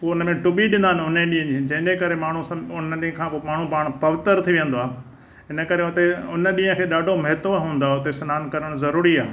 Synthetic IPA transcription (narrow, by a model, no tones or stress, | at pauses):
poʊnəmẽʈʊbiɗɪ̃nd̪aːnʊn̤ẽɗĩːɦə̃d͡ʑiːd͡ʑɐ̃ɦɪ̃ɲd͡ʑekɐɾemaːɳ̤usʊnɗiːɦə̃kʰãːpomaːɳ̤ũpaːɽ̃pɐʋɪt̪əɾt̪ʰiʋẽnd̪oaːɦ | ɦɪnə̆kɐɾeʊt̪eʊnəɗĩːə̃kʰeːɗaːɖʱomɐɦɪt̪oɦũːnd̪aʊt̪esɐnaːnkɐɾəɽ̃zɐɾuːɾiaː